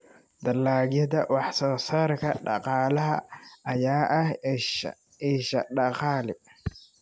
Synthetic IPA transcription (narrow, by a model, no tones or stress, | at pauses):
d̪ɐlaːɡjɐd̪ɐwɑħsɔːsaːrkʰɐɖɑ̰qɑːlɐɦɐɐjaːʔɐh | iːʃɐɖɑqɑːlɪ